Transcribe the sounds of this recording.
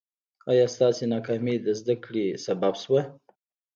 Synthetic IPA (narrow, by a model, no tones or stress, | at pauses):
ɑjɑst̪ɑsenɑkɑmed̪əzd̪akɽesababswa